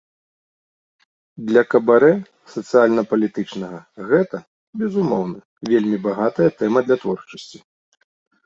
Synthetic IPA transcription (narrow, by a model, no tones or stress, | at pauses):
d̪lʲɐkɐbaɾɛ | sɐt̪sɨjalʲnɐpɐlʲit̪ɨt͡ʂnɐɣɐɣɛt̪ɐ | bʲɛzumɔwnɨ | vʲelʲmʲibaɣat̪ɐjɐt̪ɛmɐd̪lʲɐt̪vɔrt͡ʂɐsʲt͡sʲi̥